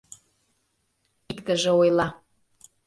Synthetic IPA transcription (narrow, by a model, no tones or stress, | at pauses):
ikt̪əʒĕojlˠɑ